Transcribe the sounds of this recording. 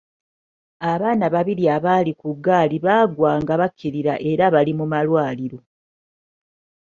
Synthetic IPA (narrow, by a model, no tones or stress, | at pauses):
aβaːnaβaβiɾiaβalikuɡaːliβaːɡwaːŋɡaβakʰːiɾiɾa̰ʔe̞ɾaβalimumalwaːliɾo̞